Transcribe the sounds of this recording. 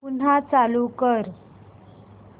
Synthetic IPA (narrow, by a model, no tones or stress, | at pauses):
un̤at͡salukəɾ